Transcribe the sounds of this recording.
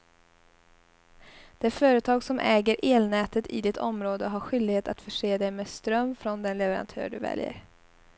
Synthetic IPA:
d̪̥ɛæɾfœːɾət̪ʰɑːɡsɔmʔɛːɡəɾʔeːlnɛːt̪ət̪ʰɪ̰d̪ɪt̪ʰɔ̰mɾoːd̪əɦaɾɧʏld̪ɪɡheːt̪a̰t̪fœʂeːd̪ɛjmeːst̪ɾœmːfɾɔnd̪ɛnlɛvəɾa̰nt̪ʰœ̰ːɖɵvɛ̰ljə̰ɾ

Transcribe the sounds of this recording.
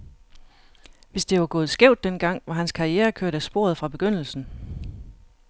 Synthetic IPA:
ʋe̝sd̥e̝ʋɑ̈ɡ̥ɔ̽ːð̩ˠsɡ̥eʊ̰d̥ːenɡ̥ɑ̈ŋ̰ʋɑ̈ɦænskʰɑ̈ʁieːɐkʰøɐ̰ɾ̥æsb̥o̝̰ɐðˠfʁɑ̈b̥e̝ɡ̥øn̰l̩sn̩

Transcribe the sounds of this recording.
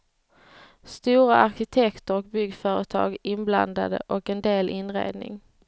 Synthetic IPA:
st̪uːɾaʔaɾɕɪt̪ʰɛkt̪əɾɔk̚bʏɡfœːɾət̪ʰɑ̰ːɡɪnbla̰nd̪a̰d̪ə̰ʔɔkɛnd̪eːlʔɪnɾḛːd̪nɪ̰ŋ

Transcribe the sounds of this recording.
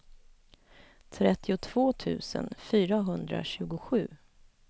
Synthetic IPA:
t̪ʰɾɛt̪ːɪʊt̪ʰv̥oːt̪ʰʉ̟̰ːsə̰nfyːɾaɦɵnd̪ɾa̰ɕʉ̟ːɡʊɧʉ̟ː

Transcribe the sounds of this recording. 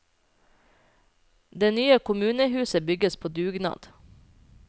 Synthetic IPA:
d̪eːnyːəkʰʊmʉːnəhʉːsəbʏɡəspʰoːd̪ʉːɡnɑ̰ːd̪̥

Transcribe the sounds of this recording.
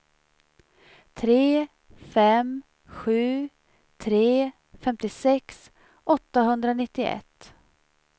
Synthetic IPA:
t̪ʰɾeː | fɛm | ɧʉ̟ː | t̪ʰɾeː | fɛmt̪ɪsɛks | ʔɔt̪ːaɦɵnd̪ɾanɪt̪ːɪʔɛ̰t̪ː

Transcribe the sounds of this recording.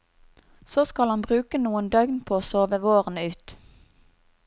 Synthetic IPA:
soːskɑlɑnbʁʉːkənuːənd̪œʏɡnpʰoːoːsoːʋəʋoːʁənʉːt̪

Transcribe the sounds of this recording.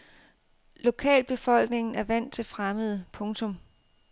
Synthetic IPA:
lo̝kʰɛ̰ːlb̥e̝fɒ̽l̰ɡ̥ne̝ŋn̩æɐʋæn̰t͡sʰe̝lfʁaməð̞ˠəpʰɔ̽ŋt͡sʰɔ̽m

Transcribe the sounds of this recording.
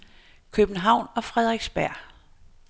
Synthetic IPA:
kʰøb̥n̩ɦɑ̈ʊ̰nɒ̽fʁɛð̞ˠʁeɡ̥sb̥æɐ̰

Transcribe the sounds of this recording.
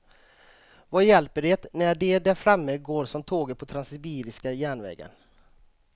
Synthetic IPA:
vajɛlpəɖeːt̪næɖɛd̪æɾfɾamːəɡoːɾʂɔmt̪ʰoːɡət̪̚pʰɔt̪ʰɾansɪbiːɾɪskajæːɳvɛ̰ːɡə̰n

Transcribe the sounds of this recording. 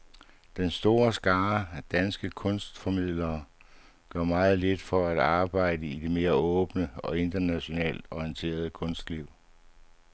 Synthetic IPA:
d̥ensd̥o̝ːɐsɡ̥ɑ̈ːæd̥ænsɡ̥əkʰɔ̽nsd̥fɒ̽mið̞̰ˠlɐː | ɡ̥ɶɐmɑ̈ːð̞̩ˠle̝d̥fɒ̽æd̥ɑ̈ːb̥ɑ̈ɪ̰dəid̥e̝me̝ːɐɔ̽ːb̥nəɒ̽e̝nd̥ɐnæɕo̝nɛ̰ːld̥ɒiənt͡sʰe̝̰ːɐð̞ˠəkʰɔ̽nsd̥liʊ̰

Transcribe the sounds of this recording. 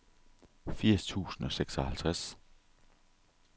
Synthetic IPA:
fiɐ̰st͡sʰṵːsn̩ɒ̽seɡ̥sɒ̽hælt͡sʰʁas

